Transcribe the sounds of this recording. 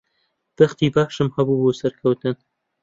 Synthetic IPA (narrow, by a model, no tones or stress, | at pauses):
b̥ɐxt̪iːbaːʃɨmhɐbuːboːsɐɾkʰɐwt̪ɨn